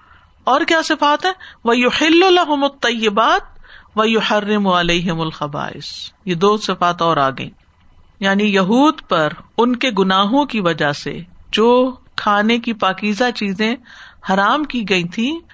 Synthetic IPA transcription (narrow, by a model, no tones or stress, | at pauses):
ɔːɾkjaːsɪfaːt̪ɦɛːʋɐjʊħɪlːlɐɦʊmɐt̪ˤːɐjːɪbaːt̪̚ʋɐjʊħɐrːɪmaleːɦɪmʊlxɐba̰ːʔɪ̰sjed̪oːsɪfaːt̪ɔːɾaːɡɐ̰ḭ̃ː | jaːnijɐɦuːd̪pɐɾʊnkeɡʊnaːɦõkiʋɐd͡ʒasḛd͡ʒoːkʰaːnekipaːkiːzat͡ʃiːzẽhɐɾaːmkiɡɐĩt̪ʰĩː